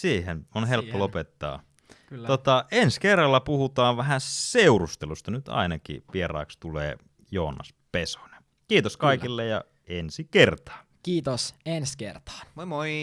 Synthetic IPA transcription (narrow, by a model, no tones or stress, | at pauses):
siːhenonhelpːolopet̪ːɑ̰ː | ot̪ɑenskerːɑlːɑpuhut̪ɑːʋʋæɦæseurust̪elust̪ɑnyt̪ɑ̰inɑkḭʋierɑ̰ːkst̪ulḛː | joːnːɑ̰speso̥n̥e̥ | kiːt̪oskɑikilːejɑ̰ | ensikert̪ɑ̥ː | kiːt̪osenskḛrt̪ɑ̥ːnmoi